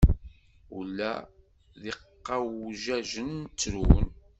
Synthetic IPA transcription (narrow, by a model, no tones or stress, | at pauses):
ṵlːæ̰ | ðiqːɑwʒæʒənːt͡sːɾun